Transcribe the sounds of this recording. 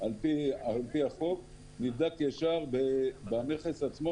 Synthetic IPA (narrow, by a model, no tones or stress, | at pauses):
alpialpiaχov | nivd̪akjaʃaʁbebaneχesat͡smo